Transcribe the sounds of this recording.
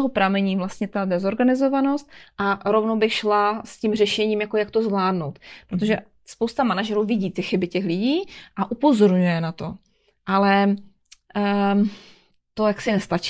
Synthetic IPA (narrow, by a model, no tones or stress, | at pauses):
oɦopɾamɛɲiːvlast̪ɲɛt̪adɛzo̞ɾɡanɪzo̞vano̞st̪̚ʔaɾo̞vnowbɪxʃlascimrɛʃɛɲiːmjako̞jakt̪o̞zvlaːdnowt̪pɾot̪̬oʒɛ | spowst̪amanaʒɛɾuːvɪɟiːt̪ɪxɪbɪcɛxlɪɟiːʔaʔupo̞zo̞ɾɲujɛnat̪o̞ | ʔalɛ | t̪o̞jaksɪnɛst̪at͡ʃ